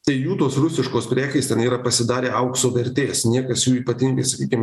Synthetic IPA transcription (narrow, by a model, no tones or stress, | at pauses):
t̪ɐɪjuːt̪oːsɾʊsʲɪʃkoːspʲɾʲæːkʲɛɪst̪ʲɛniːɾɐpɐsʲɪd̪ɑːɾʲeːʔɐʊksoːʋʲɛɾʲt̪ʲeːsnʲiɛkɐsjuːiːpɐt̪ʲɪŋɡɐɪsɐkʲiːkʲɪmʲ